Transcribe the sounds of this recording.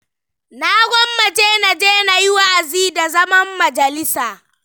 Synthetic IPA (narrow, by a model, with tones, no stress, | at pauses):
naː˦ɡʷɔ˦mːɐ˨d͡ʒeː˦na˨d͡ʒeː˦na˨jɪ˦wa˦ʔa˨ziː˦da˨zɐ˦mɐ˦mːɐ˨d͡ʒɐ˨lɪ˦saː˨